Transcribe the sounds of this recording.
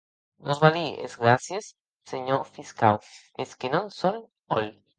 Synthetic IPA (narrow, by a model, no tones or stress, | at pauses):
nozβaliḛzɣɾasjes | seɲofiskaw | eskenõnson | oj